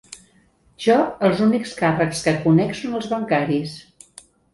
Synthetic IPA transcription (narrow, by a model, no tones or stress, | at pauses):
ʒɔəlˠzunikskarəkskəkunɛksonəlˠzβəŋkaɾis